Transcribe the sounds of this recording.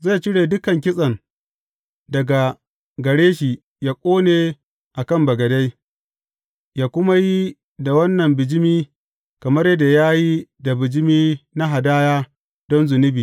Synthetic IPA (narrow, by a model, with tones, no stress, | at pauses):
za˦˨t͡ʃɪ˦ɽeː˨dʊ˦kɐ˨ŋk̬ʲɪ˦sʼɐ˨ŋ | dɐ˨ɡa˨ | ɡɐ˨ɽeː˦ʃi˨ | jaː˦kʷʼoː˦neː˨ | ʔa˨kɐ˦˨mbɐ˨ɡɐ˨da˦j | jaː˦kʷʊ˦ma˦ji˦ | da˨wɐ˦nːɐ˨mbɪ˨d͡ʒɪ˦miː˦ | kɐ˨mɐ˦rjɐ˦da˨jaː˦ji˦da˨bɪ˨d͡ʒɪ˦miː˦na˦ɦa˨daː˦jaː˦ | d̥ɔ˦nzʊ˨nɪ˦biː˨